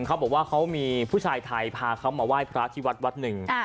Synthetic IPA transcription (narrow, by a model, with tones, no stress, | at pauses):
ŋkʰa˦˥bɔː˨˩k̚waː˥˩kʰa˦˥wmiː˧pʰuː˥˩t͡ɕʰaː˧jt̪ʰa˧jpʰaː˧kʰa˦˥wmaː˧waː˥˩jpʰɾa˦˥t̪ʰiː˦˥˩wa˦˥t̪̚wa˦˥t̪̚nɯ˨˩ŋ